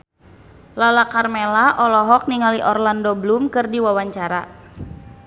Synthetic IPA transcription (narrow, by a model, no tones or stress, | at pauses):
lalakarmelaʔɔlɔɦɔk̚niŋaliʔɔrlandɔblumkɨrdiwawaɲt͡ʃaɾa